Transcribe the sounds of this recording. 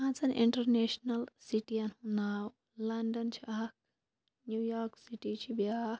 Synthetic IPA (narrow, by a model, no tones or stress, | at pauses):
ãt͡sɐnʔiɳʈɐɾneʃnɐlsiʈiɐnhunaw | lɐɳɖɐnt͡ʃʰiʔak̚ | njujaːɾksiʈit͡ʃʰibjak